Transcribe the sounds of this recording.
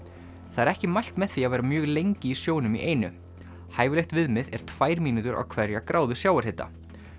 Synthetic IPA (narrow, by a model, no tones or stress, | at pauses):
θaɛɾɛhcɪmajl̥t̪mɛðθiavajɾamjœːɣlejɲcɪisjoːwnʏmḭʔeːjnʏ | haːjvɪlext̪vɪðmɪðɛɾ̥t̪ʰv̥aːjɾmiːnut̪ʏɾa̰wkʰvɛɾjakɾʔaːwðʏ̥sjaːwaɾ̥hɪt̪a̰